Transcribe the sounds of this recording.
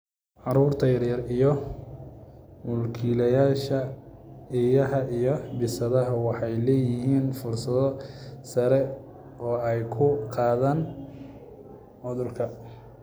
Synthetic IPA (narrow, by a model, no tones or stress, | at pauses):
ʕɑɾuːrt̪ʰɐjɐrjɐrijɔ | mʊlkʰiːlɐjaːʃɐ | ijɐɦɐʔijɔbɪsɐðɐɦɐwɑħɑjlɛːjɪɦiːnfʊrsɐðɔsɐɾɛ | ɔːɛjkʰʊqɑːðaːn | ʕʊðʊlkʰɐ